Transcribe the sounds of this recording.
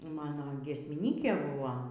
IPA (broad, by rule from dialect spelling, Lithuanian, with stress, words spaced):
ˈmɑːnoː ɡʲiɛsʲmʲɪˈnʲiːkʲeː ˈbʊʋoː